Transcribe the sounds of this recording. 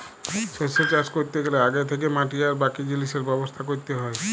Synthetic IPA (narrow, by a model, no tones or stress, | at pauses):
seset͡ʃaskoɾit̪eɡeleaɡet̪ʰek̬emaʈiaɾbakid͡ʒiliseɾbɛbɔst̪ʰakoɾit̪eɦɔe